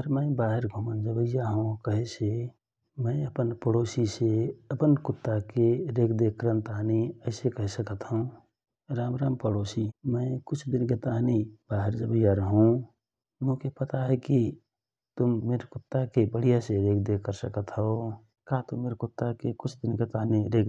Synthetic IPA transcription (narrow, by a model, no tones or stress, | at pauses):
əɾmə̃ɪbaːɦeɾɡʱumənd͡ʒəbəjaɦũkəɦise | mə̃ɪəpənpəɽoːsiseəpənkʊt̪ːakeɾeːkʰd̪ekəɾənt̪aɦniəɪsekəɦsəkət̪ɦoũ | ɾaːmɾaːmpəɽoːsimə̃ɪkʊt͡ʃʰd̪ɪnket̪aɦnibaːɦeɾd͡ʒəbəɪjaɾəɦũ | ʊmõkepət̪aɦɛki | t̪ʊmːeːɾkʊt̪ːakebəɽijaseɾeːkʰd̪ekəɾsəkət̪ɦɔo | kat̪omeːɾkʊt̪ːakekʊt͡ʃʰd̪ɪnket̪aːɦniɾeːk